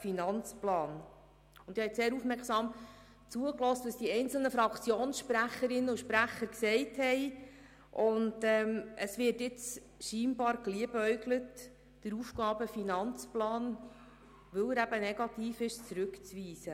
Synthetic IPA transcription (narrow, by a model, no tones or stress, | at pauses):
finɑnt͡splɑːn | ʊnd̥̪ihɛɪseːɾufmɛɾksɑːm | t͡suəklɔstʋəsd̥iɛnt͡sl̩nəfɾɑkt͡sjoːnsʃpɾæχəɾɪnːəuʃpɾæχəɾksɛɪthɛɪ | ʔʊndɛməsʋɪːtɪt͡s | ʃiːmbɑːɾkliəbœɥɡlət | d̥əɾufɡ̥ɑːbəfinɑnt͡splɑːn | ʋɵwəɾæbənɛɡ̥ɑtiːfɪʃt͡sɾɵkt͡sʋiːsə